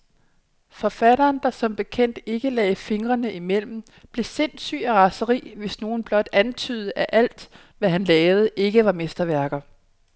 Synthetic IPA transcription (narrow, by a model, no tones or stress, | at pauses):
fɒ̽fæɾɐːnd̥ɑ̈sɒ̽mb̥e̝kʰen̰d̥e̝ɡ̥əlɛ̰ːfe̝ŋʁɐnəʔimel̰m̩ | b̥le̝se̝n̰sy̰ːæʁɑ̈səʁḭːʋe̝sno̝ːn̩b̥lɒ̽d̥ænt͡sʰy̰ːð̞̩ˠəʔæʔæl̰d̥ | ʋæɦænlɛːʊð̞̩ˠəʔe̝ɡ̥əʋɑ̈mesd̥ɐʋæɐɡ̥ɐ